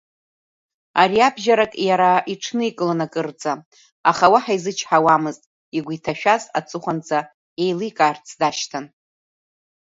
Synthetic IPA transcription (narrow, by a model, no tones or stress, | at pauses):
aɾiabʒaɾakʼjaɾaiʈ͡ʂʰnɨikʼɨlanakʼɨrt͡sʼa | aχawaħaizɨt͡ʃʰħawamɨztʼ | iɡʷitʰaʃᶣaza̰t͡sʼɨχʷant͡sʰʼa | e̞jlɨkʼaːrt͡sʰdaʃtʰan